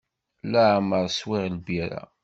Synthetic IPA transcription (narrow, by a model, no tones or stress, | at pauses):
læʕməɾˤswɪʁlbiɾa̰